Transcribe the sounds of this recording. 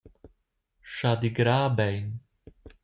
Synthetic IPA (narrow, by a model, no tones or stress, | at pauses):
ʃaːd̪iɡɾaːbɛjn